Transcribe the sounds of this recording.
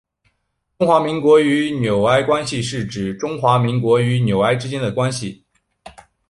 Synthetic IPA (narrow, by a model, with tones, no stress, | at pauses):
ʈ͡ʂʊ˥ŋxwa˧˥mi˧˥ŋkwɔ˧˥y˧˥njo˨˩ʊa˥ɪkwa˥nɕi˨˧ʂɻ̩˥˩ʈ͡ʂɻ̩˨˩ʈ͡ʂʊ˥ŋxwa˧˥mi˧˥ŋkwɔ˧˥y˧˥njo˨˩ʊa˥˩ɪʈ͡ʂɻ̩˥t͡ɕjɛ˥nd̪ə˨kwa˥nɕi˨